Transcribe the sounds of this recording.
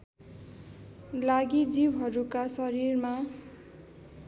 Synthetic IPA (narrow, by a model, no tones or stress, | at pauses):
laɡid͡zibɦʌɾukasʌɾirma